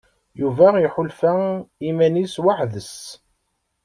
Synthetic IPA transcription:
juvæiħʊlfaimæniswaħðəs

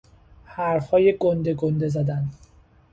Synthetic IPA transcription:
hæɾfhɒːjeɡond̪e̞ɡond̪e̞zæd̪æn

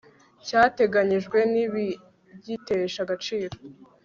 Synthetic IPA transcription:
caːte̞ɡaɲiʒɡwe̞niβi | bɟite̞ʃaɡat͡ʃiːɾo

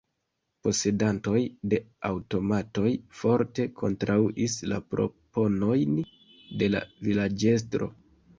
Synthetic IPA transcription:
po̞se̞danto̞jde̞awto̞mato̞jfo̞ɾte̞kʰo̞̰ntɾʔauʔisla̰pɾo̞̰po̞no̞jn | de̞la̰vilad͡ʒe̞s̬tɾo̞̰

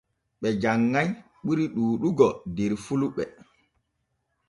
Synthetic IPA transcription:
ɓɛd͡ʒaŋːaj | ɓuɾiɗuːɗuɡɔdɛɾfuluɓɛ

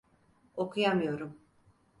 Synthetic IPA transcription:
o̞kʰujamɯjo̞ɾum

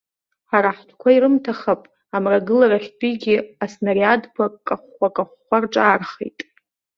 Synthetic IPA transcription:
aɾaħʷtʰkʷʰaiɾɨmtʰaχapʼ | amraɡɨlaɾaχʲtʰʼiɡʲiasnaɾiadpʰakʼaχʷakʼaχʷːarʈ͡ʂʼaːrχḛjtʼ

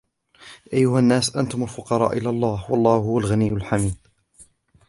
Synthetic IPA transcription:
ʔajːʊhanːaːsʔant̪ʊmʊlfʊqɑɾˤɑ̰ːʔɪlalˤːɑːhwɑlˤːɑːhʊhʊwalɣanijːʊlħamiːd̪̥̚

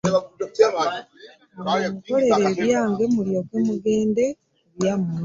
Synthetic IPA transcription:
muko̞le̞ɾeβjaːŋɡe̞muɾjo̞kwemuɡeːnde̞ | βjam

